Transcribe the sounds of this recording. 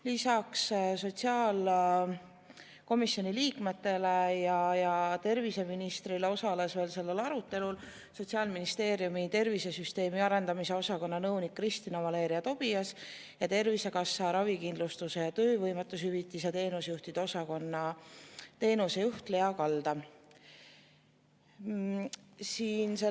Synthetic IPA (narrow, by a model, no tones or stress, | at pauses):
lisɑksso̞t̪siɑːl | ko̞misjo̞niliːkme̞t̪ːe̞le̞jɑjɑt̪e̞rvise̞minist̪rile̞o̞sɑle̞sve̞ːlse̞lːe̞lɑɾut̪ːˑe̞lul | so̞t̪siɑlminist̪e̞ːɾiumit̪e̞rvise̞syst̪e̞ːmiɑɾe̞nd̪̥ɑmise̞o̞sɑko̞nːɑnɤwnikːrist̪inɑmɑle̞ːɾiɑt̪o̞b̥ijɑs | jɑt̪e̞rvise̞kɑsːɑɾɑvikind̪̥lust̪use̞jɑt̪øːvɤjmet̪ːˑushyvit̪ːˑis̬et̪e̞ːnusjuht̪id̪̥o̞sɑkonːɑ | t̪e̞ːnuse̞juht̪le̞ɑkɑld̪̥ɑ | siːnse